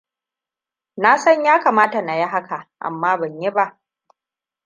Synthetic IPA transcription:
naː˦sɐ˦ɲjaː˦kaː˨maː˦ta˨na˨ji˦ɦa˦ka˨ʔʔa̰˨mːaː˦bɐ˨ɲji˦ba˦ʔ

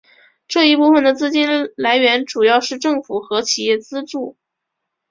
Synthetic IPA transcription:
ʈ͡ʂɤ˥˧i˥˧pu˥˩fə˩nd̪ə˩t͡sɹ̩˥˧t͡ɕi˥nla˧˥ɪɥɛ˧˥nʈ͡ʂu˨˩jɑ˥˧ʊʂɻ̩˥˧ʈ͡ʂɤ˥˩ŋfu˨˩xɤ˧˥t͡ɕʰi˨˩jɛ˥˩t͡sɹ̩˥ʈ͡ʂu˥˩

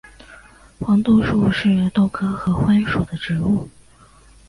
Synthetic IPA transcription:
xwɑ˧˥ŋt̪u˥˧ʂu˥˧ʂɻ̩˥˧t̪o˥˩ʊkʰɤ˥xɤ˧˥xwa˥ɪʂu˨˩d̪ə˦ʈ͡ʂɻ̩˧˥u˥˩

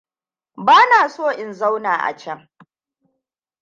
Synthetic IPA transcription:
baː˦naː˨soː˦˨ʔɪ˨nza˦wnaː˨ʔa̰˨t͡ʃɐ˦ŋ

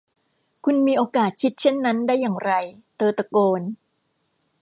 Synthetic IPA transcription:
kʰu˧nmiː˧ʔoː˧kaː˨˩t̪̚kʰi˦˥t̪̚t͡ɕʰe˥˩nːa˦˥ndaː˥˩jːaː˨˩ŋɾa˧jt̪ɤː˧t̪a˧koː˧n

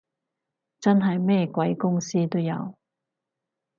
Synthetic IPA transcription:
t͡sɐ˥nɦɐ˨jmɛː˥kʷɐ˨˥jkʊ˥ŋsiː˥t̪o˥wjɐ̰˨˧w

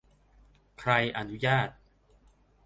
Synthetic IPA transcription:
kʰɾa˧jʔa˧nu˦˥jaː˥˩t̪̚

